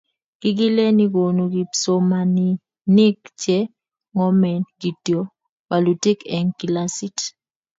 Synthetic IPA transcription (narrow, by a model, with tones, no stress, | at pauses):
ɡ̥ɪ˦ɡɪ˦lɛ˦ni˦ɡo˨no˨ɡi˨so˨ma˨ni˨ | nɪ˦kt͡ʃɛ˦ | ŋɔ˦mɛ˨ɡ̥i˨tjo˨˦ | wa˨lu˨te˦kɛ˨ŋki˨la˦si˦t